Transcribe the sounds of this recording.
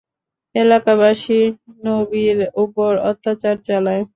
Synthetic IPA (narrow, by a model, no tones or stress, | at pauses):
elakabaʃinobiɾupoɾɔ̰t̪ːat͡ɕaɾt͡ɕalae